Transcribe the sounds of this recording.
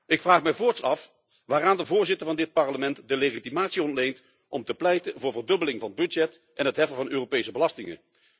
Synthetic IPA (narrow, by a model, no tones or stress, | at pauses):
ɪkfraːχmɛjvʊːɹtsɑf | ʋaːraːndəvʊːɹzɪtəɹvɑndɪt̚pɑɹləmɛntdəleχitimaːtsiɔntlejnt | ʔɔmtəplɛjtəvʊːɹvəɹdɵbəlɪŋvɑnbɵd͡ʒɛt | ʔɛnɦətɦɛfəvɑnøːropejsəbəlɑstɪŋə̰